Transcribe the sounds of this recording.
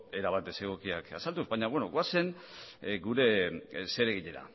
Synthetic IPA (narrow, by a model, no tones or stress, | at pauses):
e̞ɾaβat̪ese̞ɣ̞o̞kiaka̰salt̪uzβajɲaβwe̞noɣoase̞n | ɡuɾe̞se̞ɾe̞ɣ̞iʎe̞ɾa̰